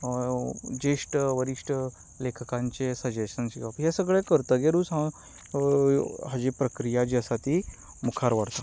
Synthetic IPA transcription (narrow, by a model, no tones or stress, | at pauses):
d͡ʑeʂʈəʋəɾiʂʈə | lekʰəkãɲt͡ɕesəd͡ʑeɕənsiapɦjasəɡɭekəɾt̪əɡeɾũsɦã | ɦad͡ʑipɾəkɾijad͡ʑiəsat̪i | mukʰaɾʋəɽt̪a